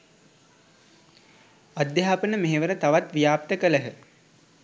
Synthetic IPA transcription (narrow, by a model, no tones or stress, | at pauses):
ad̪jaɦaːpənəmeɦeʋəɾət̪aʋat̪ʋijaːp̚t̪əkələɦə